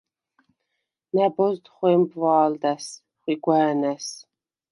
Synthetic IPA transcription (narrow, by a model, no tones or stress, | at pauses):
næbɔzd̪χʷeːmbvɑːld̪ɐs | χʷiɡʷaːnɐs